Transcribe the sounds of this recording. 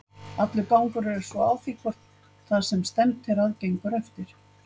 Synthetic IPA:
at̪lɪkaːwŋkʏɾɛɾɛɾ̥svɔaːwfikvɔr̥t̪ | θaðsɛmst̪ɛnt̪t̪ʰːɪɾaðcejŋkaɾɛft̪ɪɾ̥

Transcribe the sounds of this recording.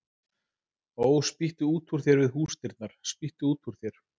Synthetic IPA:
oːwspiht̪ʏuːt̪ʰuɾ̥θjɛɾvɪðɦuːst̪ɪɾt̪̚naɾ̥spiht̪ʏuːt̪ʰuɾ̥θjɛɾ̥

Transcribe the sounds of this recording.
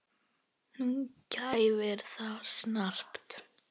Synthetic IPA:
n̥uncajvɛɾ̥θasnar̥pt̪

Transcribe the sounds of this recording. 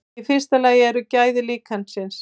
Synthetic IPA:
ɪfɪr̥st̪alaːjɪɛɾʏcaːjðɪliːkʰansɪns

